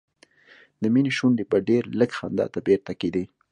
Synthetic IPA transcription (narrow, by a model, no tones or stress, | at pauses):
d̪əminiʃuɳɖebaɖeɾləɡxa̰nd̪ɑ̰t̪abeɾt̪aked̪e